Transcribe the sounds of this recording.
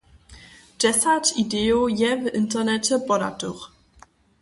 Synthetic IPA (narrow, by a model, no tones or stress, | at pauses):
d̥ɛsatidɛjojɛvintɛʁnɛt͡ɕɛbɔda̰tuχ